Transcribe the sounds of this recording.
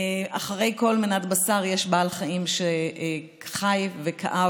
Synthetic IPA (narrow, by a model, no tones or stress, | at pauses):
aχaʁe̞jko̞lminatbasaʁjeʃbaːlχaimʃe | χajvekʰa̰ʔa